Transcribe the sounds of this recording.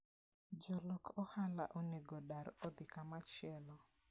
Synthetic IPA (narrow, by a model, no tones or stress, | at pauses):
d͡ʒɔlɔkʰɔhala̰ʔoneɡɔɗaɾɔd̪ɪkamat͡ʃɪɛlɔ